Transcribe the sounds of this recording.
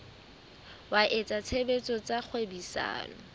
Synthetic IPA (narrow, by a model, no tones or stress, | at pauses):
waʔet͡sʼat͡sʰebet͡sʼɔt͡sʼak͡xʰwebisa̰ːlɔ̰